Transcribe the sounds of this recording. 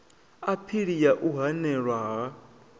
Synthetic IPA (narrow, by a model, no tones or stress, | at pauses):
apʰiɺijaʔuɦanɛɺwaɦa